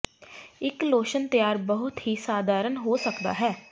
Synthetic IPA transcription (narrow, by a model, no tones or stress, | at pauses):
ɪkloːʃənt̪əjaːɾbəɦʊt̪ɦiːsaːd̪ʱaːɾənɦoːsəkd̪a̰ːɦɛː